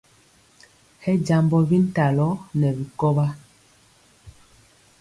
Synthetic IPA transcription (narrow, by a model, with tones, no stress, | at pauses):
hɛ˦d͡ʒa˦mbɔ˦bi˦n̩˦ta˨lɔ˨˦nɛ˨bi˨kɔ˦ba˦